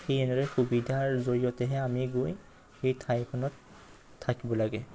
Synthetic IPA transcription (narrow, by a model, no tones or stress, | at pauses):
xejɛnɛɹɛxubidʱaɹzoɹijɔtɛɦɛamiɡoj | xejtʰajkʰɔnɔtʰː | akibɔlaɡɛ